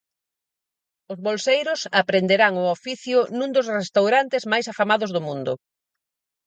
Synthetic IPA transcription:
ʊzβolsejɾʊsapɾend̪eɾaŋʊofiθjʊnũŋd̪ʊsrest̪awɾant̪ɪzmajsafamaðʊzðʊmũnd̪ʊ

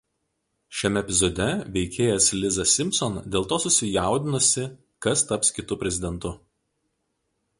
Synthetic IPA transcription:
ʃʲɛmʲɛɛpʲɪzɔd̪ʲɛʋʲɛɪkʲeːjɛslʲɪzɐsʲɪmʲsɔnd̪ʲeːlˠt̪oːsʊsʲɪjæˑʊd̪ʲɪnʊsʲɪ | kɐst̪ɐpskʲɪt̪ʊpʲɾʲɛzʲɪd̪ʲɛnt̪ʊ

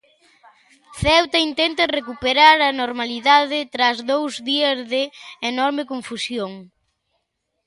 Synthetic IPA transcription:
θɛwt̪aint̪ɛnt̪ɐrekupeɾaɾɐnoɾmaliðaðɪt̪ɾazðowzðiɐzðɪːnɔɾmekoɱfusjoŋ

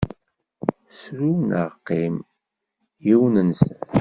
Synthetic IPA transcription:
sɾunəʁqːim | jiwnəns

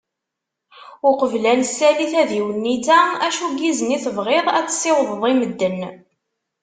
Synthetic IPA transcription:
ʊqəvlænsːæliθæðiwənːit̪ææʃuɡizəniθəvʁeðˤæt͡sːsˤːɪwəðˤðˤiməd̪ːən

